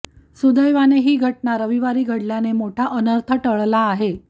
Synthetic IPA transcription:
sud̪əjʋaneɦiːɡʱəʈnaɾəʋiʋaɾiːɡʱəɽljanemoʈʰaʔənəɾt̪ʰəʈəɭlaːɦe

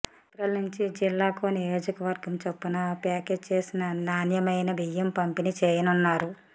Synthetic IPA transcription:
ɐt̪ɾɐlnuɲt͡ʃid͡ʒilːaːkoːnijo̞ːd͡ʒɐkɐʋɐɾɡɐmt͡ʃepːunɐpaːke̞ːd͡ʒt͡ʃeːsinɐnaːnjɐmɐjnɐbijɐmpɐmpinit͡ʃeːjɐnunːaːɾu

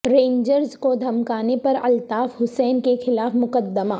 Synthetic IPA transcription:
ɾẽːɲd͡ʒəɾzkod̪ʱɐmkaːnepɐɾɐ̰lt̪aːfɦʊsɛːnkexɪlaːfmʊqəd̪ːəmaː

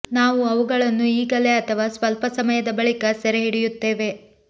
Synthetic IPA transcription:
naːʋuɐʋuɡɐɭɐnːuiːɡɐle̞ɐt̪ʰɐʋaːsʋɐlpɐsɐmɐjɐd̪ɐbɐɭikɐsɐɾeɦiɽijut̪ːe̞ːʋe̞

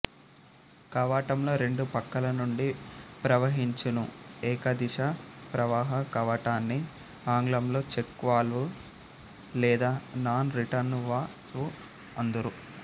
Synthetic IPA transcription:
kɐʋaːʈɐmlo̞ːɾe̞ɳɖupɐkːɐlɐnuɳɖipɾɐʋɐɦiɲt͡ʃɐnuɛːkɐd̪iʂɐpɾɐʋaːɦɐkɐʋɐʈaːnːi | aːŋɡlɐmlo̞ːt͡ʃekːʋaːlʋu | lɛːd̪aːnaːnɾiʈɐɾnʋaː | ʋu | ɐnd̪uɾu

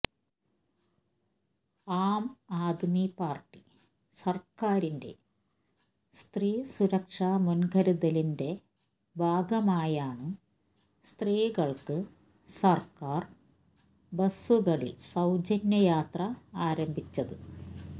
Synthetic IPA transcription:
aːmaːd̪ʱmipaːrʈːi | sɐrkaːɾinde̞̰ | st̪riːsuɾɐkʂaːmunɡɐɾuðɐlinde̞ | bʱaːɡɐmaːjaːɳɨ | st̪riːɣɐɭkɨ | sɐrkaːr | bɐsuɣɐɭḭlsɐwd͡ʑɐnjɐjaːt̪rɐaːɾɐmbʱit͡ɕːɐðɨ

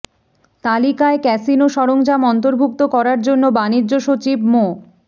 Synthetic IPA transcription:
t̪alikaekɛsinoʃɔɾoŋd͡ʑamɔnt̪oɾbʱuk̚t̪okɔɾaɾd͡ʑonːobanidːʑoʃot͡ɕibmo

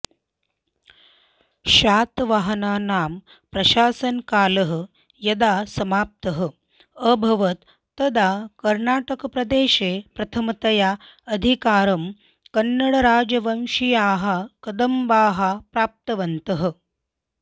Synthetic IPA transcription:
ʃaːt̪ʋaɦɐnaːnaːm | pɾɐʃaːsɐnkaːlɐɦ̆ | jɐd̪aːsɐmaːp̚t̪ɐɦə̆ | əbʱɐʋɐt̪ː | ɐd̪aːkɐɾnaːʈɐkɐpɾɐd̪eːʃeːpɾɐt̪ʰɐmɐt̪ɐjaː | ɐd̪ʱikaːɾɐm | kɐnːɐɽɐɾaːd͡ʒɐʋɐmʃijaːɦɐkɐd̪ɐmbaːɦapɾaːp̚t̪ɐʋɐnt̪ɐɦɐ̆

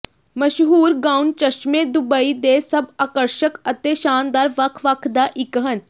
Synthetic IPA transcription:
məʃɦuːɾɡaːunt͡ʃəʃmẽːd̪ʊbəiːd̪eːsəbaːkəɾʃəkət̪eːʃaːnd̪aːɾʋəkʰʋəkʰd̪aːʔɪkɦən

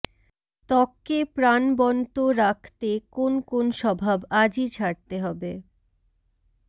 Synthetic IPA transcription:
t̪ɔkːepɾanbɔnt̪oɾakʰt̪ekonkonʃɔbʱabad͡ʑit͡ɕʰaɾ̚t̪eɦɔbe

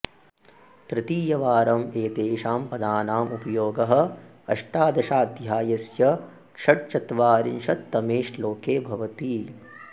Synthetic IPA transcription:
t̪ɾɪt̪iːjɐʋaːɾɐmeːt̪eːʃaːmpɐd̪aːnaːmupɐjoːɡɐɦɐ̆ | ɐ̰ʂʈaːd̪ɐʃaːd̪jaːjɐsjɐ | kʂɐʈ̚t͡ʃɐt̪ʋaːɾinʃɐt̪ːɐmeːʃloːkeːbʱɐʋɐt̪iː

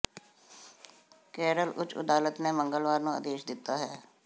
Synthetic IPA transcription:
kɛːɾəlʔʊ̰t͡ʃə̰d̪aːlət̪nẽːməŋɡəlʋaːɾnũːə̰d̪eːʃd̪ɪt̪ːaːɦɛː

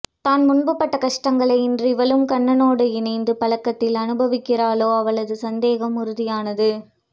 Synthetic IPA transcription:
t̪aːnmʊɳbɯpːɐʈːɐkɐʂʈɐŋɡɐɭɐɪɪndrɪʋɐlɯmkɐɳːɐnoːɽɯɪnɐɪnd̪ɯpɐlɐkːɐt̪ːɪlɐnɯbɐʋɪkːɪraːloːɐʋɐɭɐðɯsɐnd̪eːɣɐmʊɾɯðɪjaːnɐðɯ

